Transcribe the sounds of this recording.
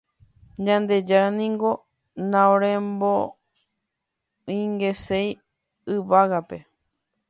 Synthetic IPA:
ɲãnd̪e̞d͡ʒaɾanĩŋɡo̞ | nãõɾẽmbo | ĩŋɡe̞sej | ɨʋaɣape̞

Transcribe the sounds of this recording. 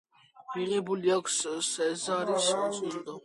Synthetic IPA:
iʁɛbuliakʷʰssɛzaɾist͡sʼund̪ɔ

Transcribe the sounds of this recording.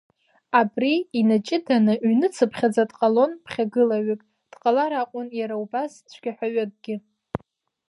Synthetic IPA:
abriinat͡ʃʼɪdanɨɥnɨt͡sʰɨpʰχʲad͡zadʼqʼalo̞npʰχʲaɡɨlaɥakʼ | d̥qʼalaɾaqʷʼʊnjaɾaubast͡ʃʷʰɡ̥ʲaħʷᶣaɥakʼɡʲɪ

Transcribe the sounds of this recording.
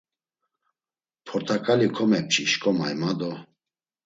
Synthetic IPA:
pʰɔɾt̪ʰakʼalikʰɔmɛp̚t͡ʃʰʼiʃkʼɔmajmad̪ɔ

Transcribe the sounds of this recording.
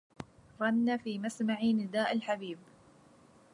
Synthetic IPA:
ɾˤɑnːafiːmasmaʕiːnɪd̪aːʔalħabiːb

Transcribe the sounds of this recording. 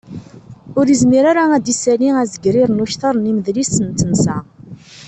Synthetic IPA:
ʊɾizmiɾaɾaæd̪isæliæzəɡɾiɾnuçt̪ɑɾˤniməðlisənt̪ːənsæ

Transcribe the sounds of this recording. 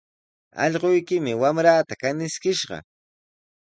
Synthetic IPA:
ɑ̰ʎɢojkɪmɪwamɾaːt̪akanɪskɪʃɢɑ̰

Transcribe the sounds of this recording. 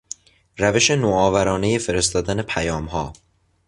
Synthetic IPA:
ɾæve̞ʃenoːɒːvæɾɒːne̞jefe̞ɾe̞st̪ɒːd̪ænepʰæjɒːmhɒː

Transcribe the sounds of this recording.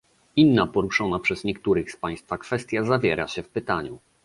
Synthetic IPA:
inːapɔɾuʂɔnapʂɛzɲɛkt̪uɾɘxspaj̃st̪fakfɛst̪ʲjazavʲjɛɾa̰ɕɛfpɘt̪aɲu

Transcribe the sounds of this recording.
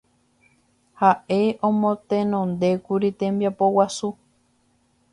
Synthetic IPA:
haʔe̞õmõt̪ẽnõnd̪e̞kuɾit̪ẽ̞mbiapowasu

